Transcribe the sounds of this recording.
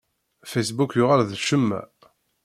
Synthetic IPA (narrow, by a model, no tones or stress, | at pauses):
fæjsbukjʊʁalðʃəmːæ̰